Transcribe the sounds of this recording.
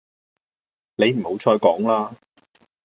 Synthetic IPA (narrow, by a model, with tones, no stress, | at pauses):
ne˨˧jm̩˨˩ho˨˥wt͡ʃʰɔː˧jkɔː˨˥ŋlaː˧